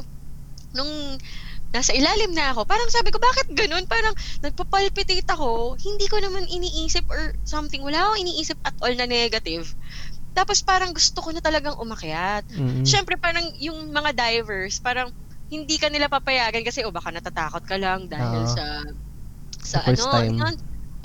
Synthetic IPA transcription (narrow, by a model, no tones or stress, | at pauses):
nʊŋ | naːsɐʔɪlaːlɪmnɐɐko̞paːɾɐŋsaːbɪko̞baːkɪt̪̚ɡɐno̞npaːɾɐŋnɐɡ̚pɐpɐlpɪt̪it̪ɐko̞hɪnd̪iːko̞nɐmanʔɪniːʔiːsɪp̚ʔɹsɐmt̪ɪŋwɐlaːkoŋɪniːʔiːsɪp̚ʔɐt̪̚ʔolnɐnɛɡɐt̪ɪvt̪aːpospaːɾɐŋɡʊst̪okonɐt̪ɐlɐɡaŋʔʊmɐkɪjat̪̚ːʃɛmpɾɛpaːɾɐŋjʊŋmɐŋad̪ajvɛɹspaːɾɐŋ | hɪnd̪iːkɐnɪlapapɐjaːɡɐnkɐsɛʔobaːkanɐt̪at̪a̰ːkot̪̚kɐlɐŋd̪aːɪlsɐ | sɐʔɐnononʔ